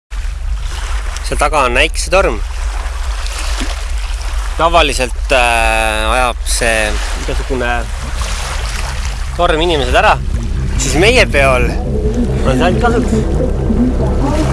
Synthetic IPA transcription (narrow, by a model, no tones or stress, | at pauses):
set̪ɑɡ̥ɑonæjkset̪o̞rm | t̪ɑvɑlise̞lt̪ː | ɑjɑb̥se̞ːmiɡ̥̪ɑsuɡ̥une | t̪o̞rminime̞sed̪æɾɑsisme̞jepe̞ɑl | onsælt̪kɑlut̪